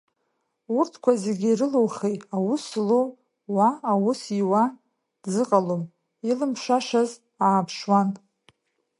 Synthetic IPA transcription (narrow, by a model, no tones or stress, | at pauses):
urtʰkʷʰazeɡʲiiɾɨlowχejawuslo | waːwusiwa | zɨqʼalom | ilɨmʰʂaʂaz | aːpʰʂwan